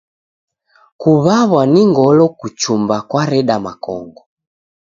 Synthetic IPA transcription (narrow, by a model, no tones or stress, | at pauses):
kuβaβwaniŋɡɔlɔkut͡ʃumbakwaɾɛɗamakɔ̰ŋɡɔ